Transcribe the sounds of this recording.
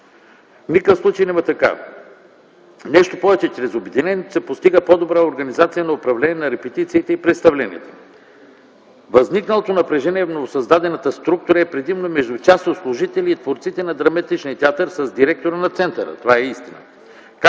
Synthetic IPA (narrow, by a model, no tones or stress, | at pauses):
nikəfslˠut͡ʃəjnɛmət̪ɐka̰ | nɛʃt̪opɔvɛt͡ʃɛt͡ʃɾɛzobɛd̪inɛnʲiɛt̪o̥sɛpost̪iɡəpɔd̪obɾaoɾɡɐnizat̪sijənɐopɾɐvlɛniɛnɐɾɛpɛt̪it̪siːt̪ɛipɾɛt̪st̪ɐvlɛnḭət̪o̥ | vɐzniknəlˠot̪onɐpɾɛʒɛniɛvnovosɐzd̪ad̪ɛnɐt̪əst̪ɾuk̚t̪ʊɾəɛpɾɛd̪imnomɛʒd̪ʊt͡ʃast̪ot̪slˠʊʒit̪ɛliːt̪voɾt̪sit̪ɛnɐd̪ɾɐmɐt̪it͡ʃnʲiət̪ʲɛat̪əɾsɐzd̪iɾɛk̚t̪oɾənɐt̪sɛnt̪əɾə̰t̪ovaɛist̪inə̰ | ka